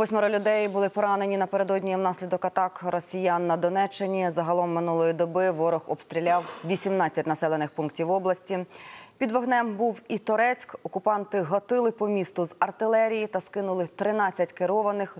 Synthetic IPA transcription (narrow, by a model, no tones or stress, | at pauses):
ʋɔsʲmɔɾɔlʲʊd̪ɛjbʊlˠɪpɔɾɑnenʲinɐpeɾe̞d̪ɔdʲnʲijɛwnɑsʲlʲid̪ɔkɐt̪ɑkrɔsʲijanːɐd̪ɔnɛt͡ʃːenʲizɐɦɐlˠɔmːɪnulˠɔjid̪ɔbɪʋɔɾɔxɔpst̪ɾʲilʲɑwʋʲisʲimnɑt͡sʲːɐtʲnɐsɛlˠenɪxpunktʲiwɔblˠɐsʲtʲipʲid̪ʋɐɦnɛmbuwit̪ɔɾɛt͡sʲkɔkʊpɑnt̪ɪɦɔt̪ɪlˠɪpɔmʲist̪ʊzɐrt̪ɪlˠɛɾʲijit̪ɐskɪnʊlˠɪt̪ɾɪnɑt͡sʲːɐtʲkeɾɔʋɐnɪx